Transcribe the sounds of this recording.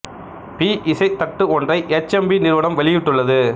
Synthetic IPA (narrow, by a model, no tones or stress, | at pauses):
piːʔɪsɐɪt̪ːɐk̚ʈːɯɔndrɐɪʔɛt͡ʃːɛmbinɪɾɯʋɐɽɐmʋɐɭɪjɪʈːɯɭːɐðɯ